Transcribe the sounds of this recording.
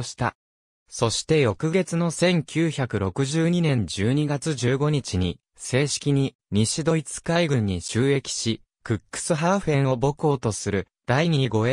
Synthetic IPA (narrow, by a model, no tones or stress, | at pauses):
ɕi̥t̪a̰ | so̞ɕi̥t̪e̞jo̞kɯ̟ɡe̞t͡sɨno̞sẽ̞ŋkʲʰɨːçakɯ̟ɾo̞kɯ̟ʑɨːɲ̟inẽ̞ɲ̟d͡ʑɨːɲ̟iɡat͡sɨʑɨːɡo̞ɲ̟it͡ɕiɲ̟ḭ | se̞ːɕi̥kʲiɲ̟i | ɲ̟iɕid̪o̞it͡sɨ̥kaiɡɯ̟̃ɲ̟ːiɕɨːe̞kʲi̥ɕi | kɯ̟kːɯ̟̥sɨɦaɸẽ̞ɰ̃o̞bo̞kɯoːt̪o̞sɨɾɯ̟ | d̪̥aiɲ̟iiɡo̞e